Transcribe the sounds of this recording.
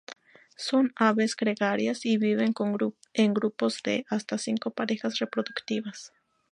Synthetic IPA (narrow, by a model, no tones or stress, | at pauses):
so̞naβe̞sɡɾeɣaɾjasiβiβe̞ŋkoŋ | eŋɡɾupo̞zd̪eʔast̪asiŋko̞paɾe̞xasre̞pɾo̞ðukt̪iβas